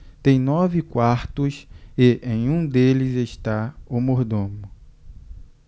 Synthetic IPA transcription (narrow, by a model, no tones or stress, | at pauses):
t̪ẽj̃nɔvɪkwaɾt̪ʊseʔẽj̃ũd̪elɪzest̪aʊmoɾd̪õmʊ